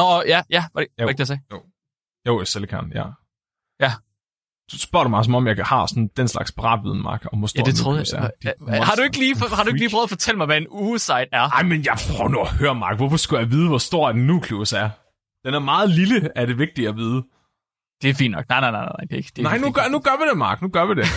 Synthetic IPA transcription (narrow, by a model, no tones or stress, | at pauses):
nɒjæjæʋæ̥eeɡd̥ejɐsɛːo | joʊselkʰɑ̰njæ̰ | jæ | d̥usb̥ɶɐ̰ɾ̥ɑmɑ̈ɪs̬ɒ̽mɒ̽mjɑɪhɑ̈sɒ̽nd̥enslɑ̈ɡ̥sb̥ʰeʁɑ̰̈ːd̥ʋið̞ˠn̩mɑ̈ːɡ̥ɒ̽mʋɒsd̥jæ̰det͡sʰʁoðˠjæɐ̥hɑ̈ɾue̝ɡ̥əliːfhɑ̈d̥ɾuɪɡli̥ːʁœːðˠfɒ̽t͡sʰel̰əmɑɪʋæenuːsɑ̈ɪ̰d̥æɐnɑ̈ɪ̰menjɑ̈ɪpʰʁœʊnɔhøːɐmɑ̈ːɡ̥ʋɒfɒsɡ̥ujɑ̈ɪʋiːð̞̩ˠəʋɒsd̥o̝ɐ̰æd̥n̩ːuːkʰlusæɐ | d̥enæɐmɑ̈ːð̞̩ˠliləæd̥e̝ʋe̝ɡ̥̚d̥iæʋiːð̞ˠə | d̥e̝æɐfḭnːɒ̽ɡ̥nɑ̈ɪnaɪnaɪnana̰ɪd̥eɡ̥enɑ̈ɪnuɡ̥nuɡ̥ɶɐʋid̥e̝mɑ̰̈ːɡ̥nuɡ̥ɶɐʋide̝